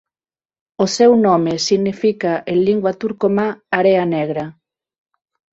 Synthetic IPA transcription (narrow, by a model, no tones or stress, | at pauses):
osɛwnɔmesiɣnifikaʔeliŋɡwat̪uɾkomaaɾeanɛɣɾɐ